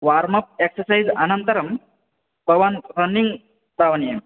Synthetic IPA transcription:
ʋaɾmɐp̚eksəsajd͡zanənt̪əɾəm | bəʋanɾənːiŋɡ | d̪aʋnijem

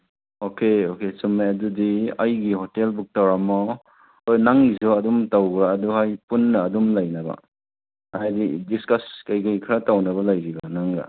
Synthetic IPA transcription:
okeokesɔmːajɐdudiɐjɡihɔtelbuk̚tawɾamɔ | ojnaŋɡizɔɐdumtawɡɾaːduhajpunːɐːdumlajnaba̰ | ajdidiskɐskajkajkʰɾatawnɐβɐlajbiɡanaŋɡa̰

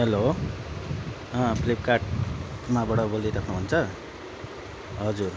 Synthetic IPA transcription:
ɦelo | ʌplip̚kaʈ̚mabʌɽʌbold̪iɾʌkʰnuɦunt͡sʰʌ | ɦʌd͡zur

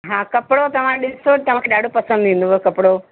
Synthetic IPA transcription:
ɦãːkɐpɽot̪ɐʋ̤ãɗɪsot̪ɐʋ̤ãkʰeɗaːɖʱopɐsə̃nd̪ĩːnd̪oʋɐkɐpɽo

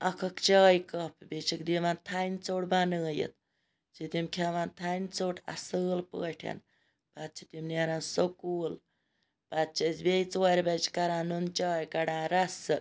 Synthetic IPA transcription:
ɐkʰɐkt͡ʃaːjkəpbet͡ʃʰikd̪iʋaːnt̪ʰant͡soːɽbanɨːjḭt̪ | t͡ʃit̪imkʰaʋant̪ʰant͡soːʈʰɐ̰sɨːlpə̰ːʈʰɐ̰n | bat̪̚t͡ʃʰit̪imnaɾaːnsokuːl | pat̪̚t͡ʃʰɐsbejt͡swaɾʲbɐt͡ʃkɐɾaːnunt͡ʃaːjkɐɽãːɾɐsɨ

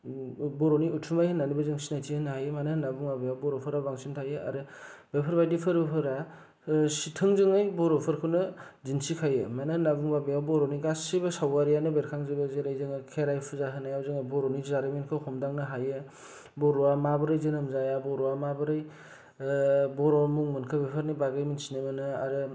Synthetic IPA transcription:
bɔɾoniutʰumajhɯnːanibɯzɯŋsinajtʰihɯnɯhajɯmanɯhnabuŋbabejawbɔɾɔpʰɯɾabaŋsintʰajɯa̰ɾɯbepʰɯɾbajdipʰɯɾbepʰɯɾa | sitʰɯŋzɯŋɯjbɔɾopʰɯɾkʰɯwnɯ | zinsikʰajɯmanɯnabuŋbabejawbɔɾoniɡasibɯsawaɾijanɯbeɾkʰaŋzɯbɯzeɾajzɯŋɯkʰeɾajpʰuzaɦɯnajawzɯŋajbɔɾɔnizaɾimenkʰɯhʰɔmdaŋnɯɦajɯ | bɔɾɔamabɯɾɯjzɯnɯmzajabɔɾɔamabɯɾɯj | bɔɾɔmuŋmɯnkʰɯbepʰɯɾnibaɡɯjminsinemɯnɯa̰ɾɯ

